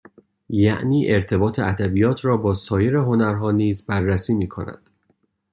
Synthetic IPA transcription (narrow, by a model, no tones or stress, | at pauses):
jæ̰ʔniːʔe̞ɾt̪ʰe̞bɒːt̪ʰeʔæd̪æbijɒːt̪ʰɾɒːbɒːsɒːje̞ɾeɦo̞næɾɦɒːniːzbærːæsiːmiːkʰo̰næ̰nd̪̥